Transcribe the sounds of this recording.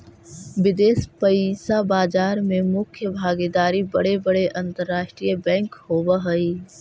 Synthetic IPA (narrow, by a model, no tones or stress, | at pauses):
ʋɪd̪eːspəsabaːd͡ʒaːɾmẽmʊkʰjəbʱaːɡed̪aːɾibɐɽebəɽeʔɐ̃nt̪əɾːaːʃʈɾijəbɛ̃ːŋkhoːbəɦəi